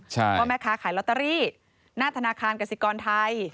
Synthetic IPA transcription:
t͡ɕʰa˥˩jɔː˧˥˩mɛː˧˥kʰaː˧kʰaː˩˦jlɔ˦t̪ːa˧ɾiː˥˩ | naː˥˩t̪ʰa˧naː˧kʰaː˧nka˧si˧˦kɔː˧nt̪ʰa˧j

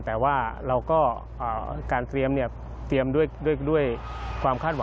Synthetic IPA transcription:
t̪ɛː˨˩waː˥˩ɾa˧wkɔː˥˩ | ʔaː˨˩kaː˧nt̪ɾi˧əmni˥˩ə | t̪ɾi˧əmdu˥˩əjdu˥˩jdu˥˩əj | kʰwaː˧mkʰaː˥˩t̪̚wa˩˨˦

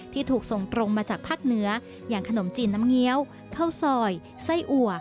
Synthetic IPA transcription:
t̪ʰiː˥˩t̪ʰuː˨˩k̚so˨˩ŋt̪ɾo˧ŋmaː˧t͡ɕaː˨˩k̚pʰaː˥˩k̚nɯ˦˥ɐ | jaː˨˩ŋkʰa˧no˩˦mt͡ɕiː˧nːa˦˥mŋi˦˥ə˩w | kʰa˥˩wsɔː˧˩j | sa˥˩jʔu˨˩ɐ

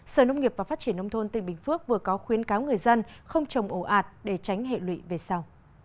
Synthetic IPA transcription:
səː˧˩nə˧wŋ͡mŋi˨˩əp̚vaː˨˩faː˦˥t̚t͡ɕi˧˩ənːə˧wŋ͡mt̪ʰo˧nt̪ï˧˩ŋ̟ɓï˨˩ŋ̟fɨ˦˥ək̚vɨ˨˩əkɔ˨˦xwi˨˦ənkaː˨˦wŋɨ˨˩əjzə˧nxə˧wŋ͡mt͡ɕə˨˩wŋ͡mʔo˧˩ʔaː˨˩t̚ɗe˧˩t͡ɕa˨˦jŋ̟ɦḛ˧˨lwḭ˧˨ve˨˩sa˧w

